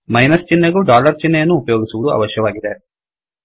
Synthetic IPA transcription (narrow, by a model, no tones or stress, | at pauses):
mɐjnɐst͡ʃinːɐɡuɖaːlɐɾt͡ʃinːejɐnːuːpɐjoːɡisuʋud̪uɐ̰ʋɐʃjɐʋaːɡid̪e